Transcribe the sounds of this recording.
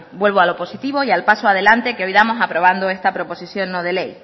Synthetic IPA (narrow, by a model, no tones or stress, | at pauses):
bwe̞lβ̞oalo̞po̞sit̪iβ̞o̞ialpasoaðe̞lant̪e̞keo̞jðamo̞sapɾo̞βand̪oe̞st̪apɾo̞po̞siθjo̞nːoð̞e̞le̞j